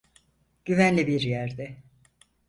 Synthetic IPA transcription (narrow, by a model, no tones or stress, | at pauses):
ɟ̥yvænlʲibiɾjæɾd̪ɛ